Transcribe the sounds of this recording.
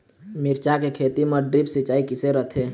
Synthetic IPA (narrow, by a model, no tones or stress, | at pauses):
mɪɾt͡ʃakekʰeːt̪iməɖɾipsɪt͡ʃaːikɪseɾət̪ʰeː